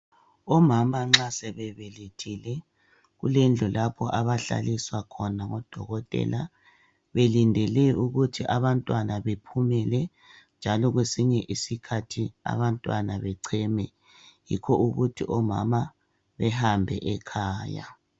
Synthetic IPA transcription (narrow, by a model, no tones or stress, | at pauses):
ɔmamaŋ͡ǁasɛβɛβeletʰilɛ | ɣṵlend͡ɮʱulapʰɔʔaβaɬa̰liswakʰɔnaŋɔd̥ʱɔɣɔtʼɛ̰la | βelindʱɛlɛuɣutʰiʔaβantʼwanaβepʰumɛlɛ | nd͡ʒʱalɔɣwesiɲɛʔisikʰatʰia̰βantʼwanaβɛǀʰɛmɛ | jḭkʰɔʔuɣutʰḭʔɔma̰ma | βɛhambʱɛ̰ʔɛkʰaːja̰